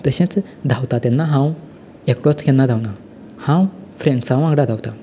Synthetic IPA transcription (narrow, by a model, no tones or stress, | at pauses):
t̪əɕẽt͡s | d̪ʱawt̪at̪ɛnːaɦãw | ekʈɔt͡skɛnːad̪ʱawna | hãwfɾẽɳɖsãw̃ãŋɡɽad̪ʱawt̪a